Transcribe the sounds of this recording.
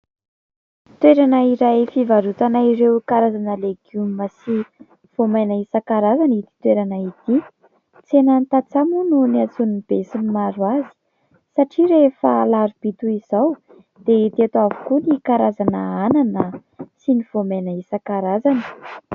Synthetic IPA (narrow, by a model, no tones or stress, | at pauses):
t̪weɾanaiɾajfivaɾut̪anaiɾewkaɾazanəleɡjuməsi | v̥omajnəisakaɾazanit̪i̥t̪weɾanait̪i | t͡senant̪at͡samununiat͡sunuib̥esinmaɾwazi̥ | saʈ͡ʂiɾefəlaɾub̥it̪uiz̥aw | d̪̥eit̪et̪uavu̥kunikaɾazanəananəsiniv̥omajnəisakaɾazanə̥